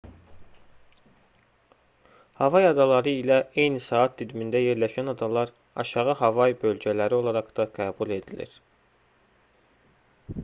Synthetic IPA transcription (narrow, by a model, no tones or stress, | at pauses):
hɑvɑjɑd̪ɑlˠɑɾɯilæe̞jnisɑːɑt̪̚d̪yd̪mind̪æje̞ɾlæʃænɑd̪ɑlˠɑɾ | ɑ̰ʃɑʁɯɦɑvɑjbø̞lɟælæɾio̞lˠɑɾɑɡd̪ɑɡæːbulˠe̞d̪ilḭɾ̥